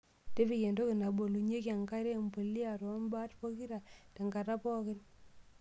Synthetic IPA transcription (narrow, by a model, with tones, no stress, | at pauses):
te˦fi˦˨ke˨ndo˦kɪ˨na˨bo˨lu˨ɲe˦ki˨a˨ŋka˦ɾe˦˨mbo˨li˦a˨ɾo˨˦mba˦tpo˦ki˦ɾa˨te˨ŋɡa˨ɾa˦pɔ˦kɪ˦n